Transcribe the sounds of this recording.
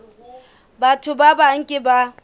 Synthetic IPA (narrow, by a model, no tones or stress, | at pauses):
baːtuːbabaʔaŋkʲeba